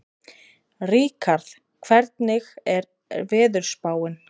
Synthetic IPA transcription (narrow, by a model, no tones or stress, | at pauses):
riːkʰaɾθ | kʰvɛɾt̪nɪɣɛɾ | vɛːðʏɾ̥spaːwɪn